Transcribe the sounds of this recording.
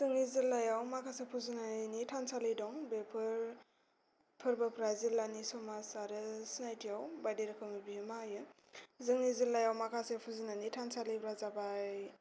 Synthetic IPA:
zɯŋizilːajawmakʰasepʰuzɯnanitʰansalɯjdɔŋbepʰɯɾ | pʰɯɾbɯpʰɾazilːanisɔmasaɾɯsinajtʰijawbajdeɾɯkʰɯmɯbimajɯ | zɯŋizilːajawmakʰasepʰuzinanitʰansalɯjpʰɾazabaj

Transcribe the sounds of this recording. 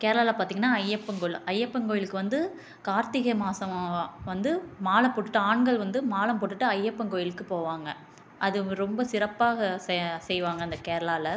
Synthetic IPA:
keːɾɐɭaːlɐpaːɾt̪iːŋɡɐnːaːɐjːɐpːɐŋɡoɭɐjːɐpːɐŋɡoːjɪlɯkːɯʋɐnd̪ɯ | kaːɾt̪ɪɣɐmaːsɐmʋɐnd̪ɯmaːlɐpoːʈːɯ̥ʈːɯaːɳɡɐɭʋɐnd̪ɯmaːlɐmpoːʈːɯʈːɯɐjːɐpːɐŋkoːjɪlɯkːɯpoːʋaːŋɡɐ | ʔɐðɯɾɔmbɐsɪɾɐpːaːɣɐssɛjʋaːŋɡɐɪnd̪ɐkeːɾɐlaːlɐ

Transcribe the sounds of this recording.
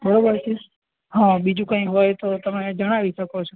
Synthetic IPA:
bəɾobəɾt͡ʃʰe | ɦãbid͡ʒũkə̃ĩɦojt̪ot̪əmed͡ʒəɽ̃aʋiʃəkot͡ʃʰo

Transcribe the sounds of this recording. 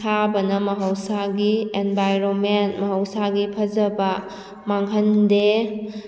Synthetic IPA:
abɐnɐmɐɦɐwsaɡienbajɾonmentmɐɦɐwsaɡipʰɐd͡ʒɐbɐ | maŋɦɐnde

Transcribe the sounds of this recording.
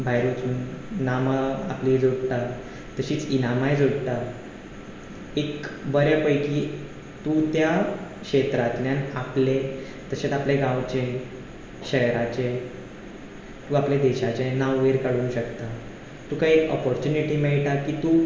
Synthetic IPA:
bʱajɾot͡suːnnamaa̰pliːd͡zoɽʈ̪a | t̪əɕiːt͡sinamajd͡zoɽʈ̪a | ekbəɾjəpəjkiː | t̪ut̪jakɕet̪ɾat̪ljanaple | t̪əɕet̪apleɡãwt͡ɕe | ɕəjɾat͡ɕe | t̪uapled̪eɕat͡ɕenaʋʋeɾkaɽuːnɕəkt̪a | t̪ũkaiekɔ̰pɔɾt͡ɕuniʈiːmɛɭʈakiːt̪uː

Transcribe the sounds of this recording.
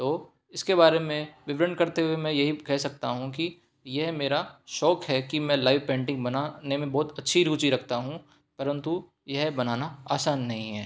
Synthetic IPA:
t̪oː | ɪskeβaːɾemẽʋɪʋɾə̃ɳɖkɐɾt̪eɦuwemɛ̃jɐɦikɛɦsɐk̚t̪aɦũki | jɛɦmeːɾaʃɔːkɦɛkimɛ̃ːlaːɪʋpɛ̃ːɳʈɪ̃ŋɡbɐnaːnemẽbɔːt̪ɐtːʃʰiɾuːt͡ʃiɾɐkʰt̪aɦũ | pɐɾə̃nt̪u | jɐɦbɐnaːnaaːsaːnːɐɦĩɦɛː

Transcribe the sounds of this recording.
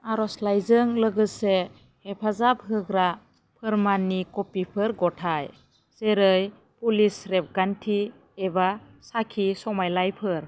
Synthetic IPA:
aɾɔslajzɯŋləɡɯse | hepʰazap̚ɦɯɡɾa | pʰɯɾmanːikɔpipʰɯɾɡɔtʰaj | seɾɯj | pulisɾep̚ɡantʰiː | ba | sakʰisɔmajlajpʰɯɾ

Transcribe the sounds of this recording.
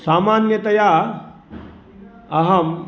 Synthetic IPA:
saːmaːnjɐt̪ɐja | ɐɦɐm

